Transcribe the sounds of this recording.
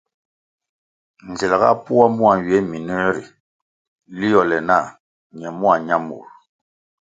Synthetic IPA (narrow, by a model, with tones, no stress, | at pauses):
n̩˨zɛ˨la˨ɣa̰˦pu˦a˦mu˦a˨ɥɛ˨˦mi˨nə˦ɾi˨ | li˦jɔ˨lɛ˨na˦˨ | ɲɛ˨mu˦a˨ɲa˦mṵ˨ɾ